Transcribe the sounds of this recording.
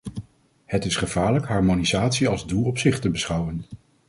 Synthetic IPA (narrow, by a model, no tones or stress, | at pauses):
hətɪsχəv̥aːɹləkɦaːɹmonizaːtsiɑlˠzdulˠɔpsɪχtəbəsχʌwən